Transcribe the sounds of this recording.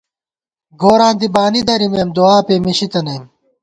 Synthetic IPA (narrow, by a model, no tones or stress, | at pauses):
ɡoːɾãːnd̪ibaːnid̪ɐɾimeːmd̪uaːpeːmiɕit̪ɐnɐjm